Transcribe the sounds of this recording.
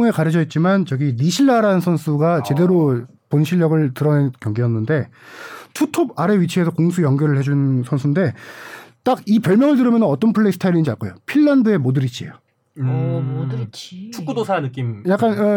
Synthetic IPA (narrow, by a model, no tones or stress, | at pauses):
ŋe̞kaɾɯd͡ʑʌit̚t͡ɕ͈imant͡ɕʌɡiniɕʰiɭːaɾaɯnsʰʌnsʰuɡat͡ɕe̞de̞ɾo | ponɕʰiʎːʌɡɯɭtɯɾʌnenkjʌŋɡijʌnːɯnde̞tʰutʰobaɾe̞ɥit͡ɕʰiesʰʌkoŋsʰujʌŋɡjʌɾɯɭhe̞d͡ʑunsʰʌnsʰunde̞ | t͈aɡipjʌɭmjʌŋɯɭtɯɾɯmjʌnɯnʌt͈ʌnpʰɯɭːeisɯ̥tʰaiɾind͡ʑiaɭk͈ojopʰiɭːandɯe̞modɯɾit͡ɕ͈ʰie̞̰jo | t͡ɕʰukk͈udosʰanɯk̬͈imjak͈an